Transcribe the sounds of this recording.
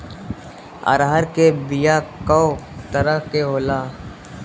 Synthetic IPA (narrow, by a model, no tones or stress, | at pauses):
ə̰ɾɦəɾkebɪjakəot̪əɾəɦkeɦoːlaː